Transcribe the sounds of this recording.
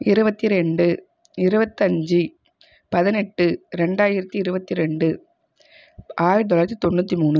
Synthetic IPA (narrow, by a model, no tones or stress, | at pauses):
ɪɾɯbɐt̪ːiɾɛɳɖɯ | ɪɾɯbɐt̪ːɐɲd͡ʒi | pɐðɪnɛʈːɯɾɛɳɖaːjɪɾɐt̪ːiɪɾɯbɐt̪ːiɾɛɳɖɯ | ʔaːjɪɾt̪ɔlaːɾɐt̪ːit̪ɔɳːuːt̪ːimuːnːɯ